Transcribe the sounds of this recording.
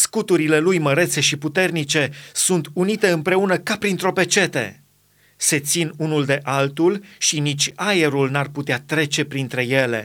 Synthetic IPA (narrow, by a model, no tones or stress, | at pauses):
skut̪uɾile̞lujməɾe̞t̪se̞ʃiput̪e̞rnit͡ʃe̞sunt̪unit̪e̞ɨmpɾe̞unəkapɾint̪ɾo̞pe̞t͡ʃe̞t̪e̞̰ | se̞t̪sinunuld̪e̞ʔalt̪ulʃinit͡ʃʲaje̞ɾulnarput̪eat̪ɾe̞t͡ʃe̞pɾint̪ɾe̞je̞le̞̰